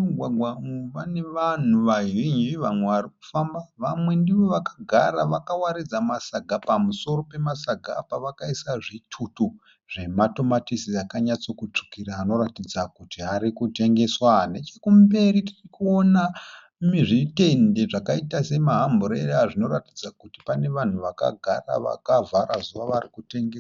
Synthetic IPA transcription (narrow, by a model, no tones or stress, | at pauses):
uɡʱwaɡʱwaʋaneʋan̤uʋaɦiɲiʋamwe̞ʋaɾik̚u̥fambaʋamwe̞ndiʋo̞ʋakḁɡʱa̰ɾaʋakawaɾid͡zamasaɡʱapamuso̞ɾo̞pe̞masaɡʱa̰paʋakaisaʐitʰutu | ʐ̥e̞mato̞matisiakaɲat͡so̞kut͡ʂu̥kiɾaːno̞ɾatid͡zakutiɦaɾikute̞ŋɡe̞swane̞t͡ʃekumbe̞ɾiti̥rikuona | miʐite̞nde̞ʐakaitase̞maɦamboɾeraʐino̞ratid͡zakuti̥pane̞ʋan̤uʋaka̰ɡʱara̰ʋa̰kavʱaɾazuʋaʋarikute̞ŋɡeswa